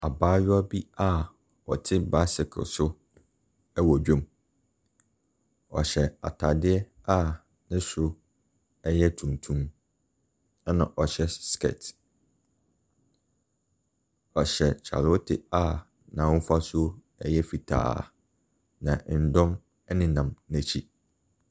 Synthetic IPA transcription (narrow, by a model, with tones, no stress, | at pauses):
a˨baː˦ɥʊ˦a˦bi˦a˦˨ | ɔ˨tʰɪ˦ba˦sɪ˨kʰʊ̰˨sʊ˦ | ɛ˦wɔ˨d͡ʑᶣɔ̃˦˨m | ɔ̰˨ɕɛ˨a̰˨tʰa˨dɪ˦ɛ˦ | a˦˨ | nɪ̃˦sʊ˦ | ɛ˦jɛ˦tʰũ˨ntʰũ˦m˦ | nã˨ʔɔ˨ɕɛ˦skɛ̰˨t | ɔ˨ɕɛ˨t͡ɕʰa̰˨lo˦tʰɪ̰˨a˨ | nã˨ʊ̃˦fa˦sʊ˦ | ɛ˨jɛ˦fi˨tʰa̰ː˨ | nã˨n̩˨dɔ̃˦m | ɛ˦nɪ̃˦nã˨mnæ̃˨t͡ɕʰi˦